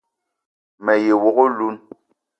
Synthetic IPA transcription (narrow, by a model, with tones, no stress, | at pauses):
mɛ˨je˨wo˨ɣo˦lu˦n